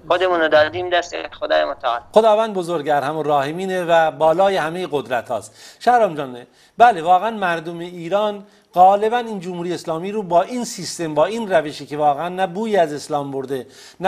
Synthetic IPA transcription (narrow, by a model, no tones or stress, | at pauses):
xod̪emuːnod̪ɒːd̪iːmd̪æst̪ḛxod̪ɒ̰ːjemot̪ʰæɒːlxod̪ɒːvænd̪bo̞zoɾɡæɾhæmurɒːhemiːnevæbɒːlɒːjehæme̞jeɣo̞d̪ɾæt̪hɒ̰ːst̪ʃæhɾɒːmd͡ʒɒːnːe | bæle̞vɒːɣeænmæɾd̪omeiːɾɒːn | ɣɒːle̞bæniːnd͡ʒomhuɾieeslɒːmiːɾuːbɒːʔinsist̪e̞mbɒːiːnræveʃiːkʰevɒːɣeænːæbuːjeæze̞slɒːmboɾd̪e | n